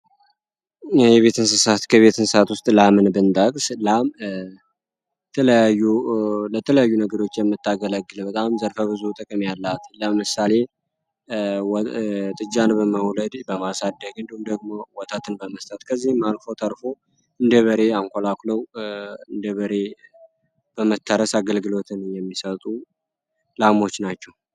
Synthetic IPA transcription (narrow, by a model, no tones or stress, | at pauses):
jɛβe̞t̪ʰɨns̬ɨsat̪kʰəβe̞t̪ɨnsɨsat̪wʊst̪ʼlamɨnbɨnt̪ʼəkʼslam | ɛt̪ʰələjajːulət̪ʰələjajːunəɡəɾo̞t͡ʃːjɛmːɨt̪ːaɡələɡːɨlbət̪ʼamzəɾfəbɨzut̪ʼəkʼəmjalːat̪ləmɨsale̞ | wt̪ʼɨd͡ʒʼːanbəməwləd̪bəmasad̪ːəɡɨnd̪und̪əɡ̚mowɔt̪ʰat̪ʰɨnbəməst̪ʼət̪kʰəzːihmːalfo̞t̪ʰəɾfo̞ | ɨnd̪əβəɾe̞aŋkʰo̞lakləwɨnd̪əβəɾe̞ | b̥əmət̪ʰːəɾəsaɡəlɡɨlo̞t̪ʰɨnɨjɛmːisət̪ʼu | lamo̞t͡ʃːnat͡ʃːɛw